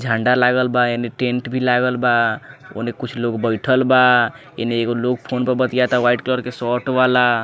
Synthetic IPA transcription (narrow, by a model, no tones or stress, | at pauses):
d͡ʒʱãɳɖalaɡəlbaeneʈẽɳʈbʱilaɡəlbao̰nekut͡ʃʰloɡbəjʈʰəlba | ḛneeɡolok̚pʰonpəɾbət̪ijat̪aʋaiʈklɔɾkesɔʈʋala